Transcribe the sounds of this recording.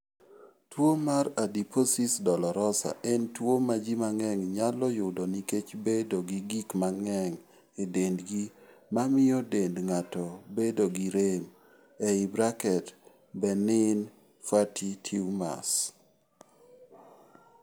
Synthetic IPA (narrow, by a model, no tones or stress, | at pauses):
twomaɾadipʰosisdɔlɔɾɔsa̰ʔentwomad͡ʒimaŋɛŋɲalɔjʊdɔniket͡ʃbedoɡiɡikmaŋɛŋ | edendɡi | mamɪjɔdendŋatɔbedoɡiɾem | ɛɪbɾakɛt | bɛnɪn | fatʰitʰiwma̰s